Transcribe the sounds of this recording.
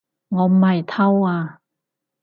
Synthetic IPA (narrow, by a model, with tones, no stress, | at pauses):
ŋɔː˨˧m̩˨mɐ˨˩jt̪ʰɐ˥waː˧